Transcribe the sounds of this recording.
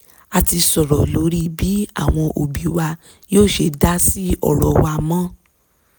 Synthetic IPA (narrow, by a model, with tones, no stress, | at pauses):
a˨ti˧sɔ˨ɾɔ˨lo˨˦ɾi˦bi˨˦a̰˦˨w̃ɔ̃˧ʔo˨bi˨wa˧ | joː˦˨ʃe˧da˦si˦ɔ̰˦˨ɾɔ˨wa˧mã˦